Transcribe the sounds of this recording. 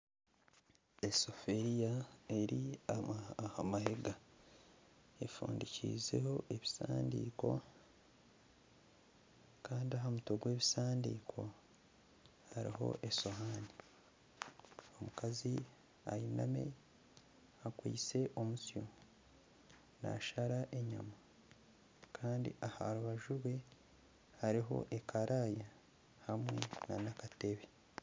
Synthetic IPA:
eso̞fe̞ɾijae̞ɾiahamaheɡa | e̞fṵːndicḭze̞̰ho̞ʔe̞βisa̰ːndiːko̞ | kaːndiaɦamuto̞ɡwe̞ːβisaːndḭːkʰo̞ | haɾiɦo̞̰ʔe̞so̞ɦaːni | o̞mukazi | ajiname̞̰ | akwḭːt͡se̞ʔo̞musjo | na̰ʃaɾaʔe̞ɲa̰ma | kʰaːndḭʔaha̰ɾuβaʒuɾwe̞ | haɾiɦo̞̰ʔe̞kʰaɾʔaːja | hamŋwe̞̰nanakate̞βe

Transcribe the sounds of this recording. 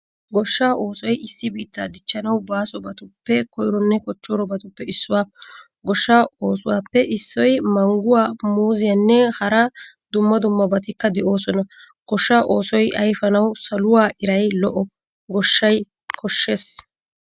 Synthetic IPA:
ɡɔʃːaːʔo̞ːsɔjɪsːɪbiːt̪ːaːd̪ɪt͡ʃːɐnɐwbaːsɔbɐt̪ʊpːɛkɔjɾɔnːɛkɔt͡ʃːɔɾɔbɐt̪ʊpːɛɪsːʊwaː | ɡɔʃːaːo̞ːsʊwaːpːɛʔɪsːɔjmɐŋɡʊwaːmuːzɪjɐnːɛhɐɾɐ | d̪ʊmːɐd̪ʊmːɐbɐt̪ɪkːɐd̪ɛʔo̞ːsɔnɐ | ɡ̥ɔʃːaːʔo̞ːsɔjʔɐjfɐnɐwsɐlʊwaːʔɪɾɐjlɔʔɔ | ɡɔʃːɐj | kʰɔʃːe̞ːs

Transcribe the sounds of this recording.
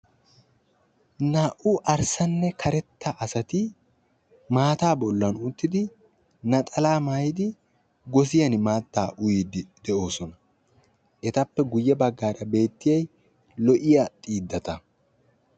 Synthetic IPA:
naʔʊʔɐɾsɐnːɛkʰɐɾɛt̪ːɐʔɐsɐt̪ɪ | maːt̪aːbɔlːɐnʊt̪ːɪd̪ɪ | nɐt̪ʼɐlaːmaːjɪd̪ɪ | ɡɔs̬ɪjɐnmaːt̪ːaːʔʊjiːd̪d̪ɛʔo̞ːsɔnɐ | ʔɛt̪ɐpːɛɡʊjːɛbɐɡːaːɾɐbe̞ːt̪ːɪjɐj | lɔʔɪjat̪ʼiːd̪ːɐt̪ɐ

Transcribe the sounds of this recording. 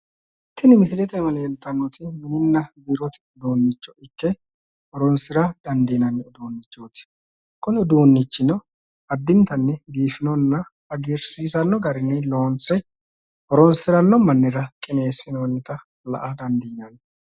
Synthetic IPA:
t̪ːɪnɪmɪsɪlɛt̪ɛmɐlɛjɛlt̪ːɐnːɔt̪ɪmɪnɪnːɐbiɾɔt̪ɪ̥d̪oːnːɪt͡ʃːɔʔɪkːɛ | hɔɾɔnsɪɾɐd̪̥ɐnd̪iːnɐnːɛʊd̪oːnːɪt͡ʃːoːt̪ɪ̥ | kʊnɪɔd̪oːnːɪt͡ʃːɪnɔ | ɐd̪ːɪnt̪ɐnːɛɡiːfɪnɔnːɐ | ɐɡeːɾsiːsɐnːɔɡɐɾɪnːɪlo̞ːnt͡sːɛ | hɔɾɔnsɪɾɐnːɔmɐnːɪɾɐkʼɪne̞ːsɪnoːnt̪ːɐ | lɐ̰ʔɐd̪ɐnd̪iːnɐn

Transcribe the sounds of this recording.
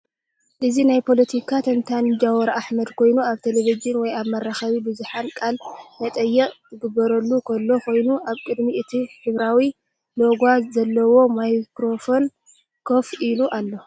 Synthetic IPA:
ʔɨzinajpʰo̞lɐt̪ʰikʰat̪ʰɐnt̪ʰand͡ʒawuɾʔaħmɐd̪kʰo̞jnuaβt̪ʰeleβizɨnwɔjaβmɐɾaxɐβibɨzuħankʼalmɐt̪ʼɐjːɛkʼt̪ʰɨɡɨbːɐɾɐlːukʰɐlːo̞kʰo̞jnuʔaβkʼɨd̪miʔɨt̪ʰiħɨβɾawi | lo̞ɡʷazɐlːɐwo̞majkɾo̞fo̞n | kʰofiluʔalːo̞

